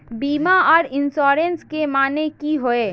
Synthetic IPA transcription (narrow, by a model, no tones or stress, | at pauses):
biːmaɔːɾɪnsɔːɾenskemaːnekiɦoeː